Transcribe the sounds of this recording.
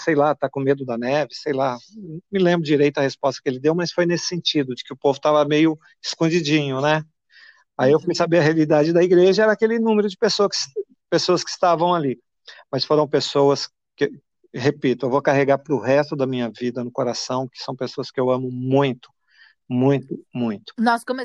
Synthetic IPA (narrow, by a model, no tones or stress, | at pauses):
sejlat̪akõmed̪ʊd̪ɐnɛvɪsejlãmɪlẽmbɾʊd͡ʒiɾejt̪ʊɐhespɔst̪ɐ̥kelɪd̪ewmɐsfojnesɪ̥sẽnt͡ʃid̪ʊd͡ʒɪkɪʊpovʊt̪avɐmejʊ | ɪskõd͡ʒid͡ʒĩɲʊnɛ | aiewfujsabeɾɐɦealid̪ad͡ʒɪd̪ɐiɡɾeʒɐɛɾɐaːkelɪnũmeɾʊd͡ʒɪpesoɐsɪ | pesoɐskɪ̥st̪avɐ̃w̃ali | mɐsfoɾɐ̃w̃pesowɐs | kɪ | hepit̪ʊewvokaɦeɡaɾpɾʊhɛst̪ʊd̪ɐmĩɲɐvid̪ɐnʊkoɾasɐ̃w̃kɪ̥sɐ̃w̃pesoɐskɪewɐ̃mʊmũj̃t̪ʊ̥ | mũj̃t̪ʊmũj̃t̪ʊ̥nɔskome